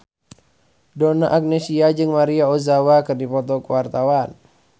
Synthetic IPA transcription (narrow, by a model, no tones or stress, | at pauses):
dɔnaʔak̚nesiad͡ʒɨŋmaɾiaozawakɨrdipɔt̪ɔkuwart̪awan